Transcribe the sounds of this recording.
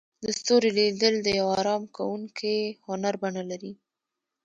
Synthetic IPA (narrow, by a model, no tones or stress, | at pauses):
d̪əst̪oɾelid̪əld̪əjawaɾɑmkawuŋkʰehʊnaɾbaɳalaɾi